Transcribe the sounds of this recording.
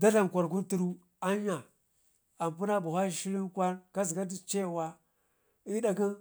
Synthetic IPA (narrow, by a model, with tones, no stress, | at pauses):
da˦ɬa˨m˨kʷa˨ɾk̬u˦nti˦ɾu˦ | a˦a˨ | a˨m˨pu˦na˦bu˨xʷa˦i˨ʃi˦li˦nkʷa˦nka˦zi˨ɡa˦di˦t͡ʃe˦˨wa˦ | i˦da˦ki˦n